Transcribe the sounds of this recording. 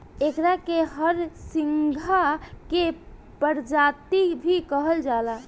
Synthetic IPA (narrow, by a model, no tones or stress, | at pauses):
ekɾakeɦəɾsiŋɡʱake | pəɾd͡ʒat̪ibʱikəɦəld͡ʒala